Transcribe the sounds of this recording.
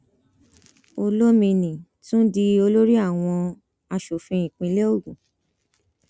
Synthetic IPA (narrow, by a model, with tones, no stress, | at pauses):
o˧lo˦mĩ˧nĩ˨tũ˦di˧˦o˧lo˦ɾi˦a˦˨w̃ɔ̃˧ | a˧ʃo˨fĩ˧ĩ˨k͡pĩ˧le˦o˦˨ɡũ˨